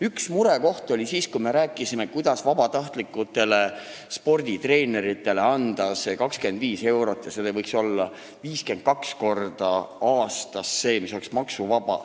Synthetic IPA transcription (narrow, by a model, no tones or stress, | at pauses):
yksmuɾe̞ko̞ht̪o̞lʲisiːskujme̞ɾæːkːˑisimekujd̪̥ɑsvɑbɑt̪ɑht̪likːˑut̪ːe̞le̞ | spo̞rd̪̥ʲit̪re̞ːne̞ɾit̪ːˑe̞leɑnd̪̥ɑsekɑkske̞nd̪viːse̞wɾo̞t̪ːˑjɑselevɤjkso̞lːɑ | viːske̞nd̪̥̚kɑksko̞rd̪̥ɑɑːst̪ɑsːe̞ːmiso̞leksmɑksuvɑb̥ɑ̰